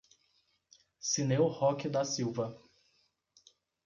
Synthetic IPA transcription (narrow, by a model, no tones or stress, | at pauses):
sinewhɔkɪd̪ɐsiwvɐ